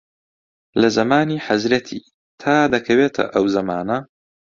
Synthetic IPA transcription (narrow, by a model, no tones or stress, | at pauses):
lɐzɐmaːniːħazɾɐt̪ʰḭː | t̪ʰaːd̪ɐkʰɐweːt̪ʰɐ̰ʔɐwzɐmaːnɐ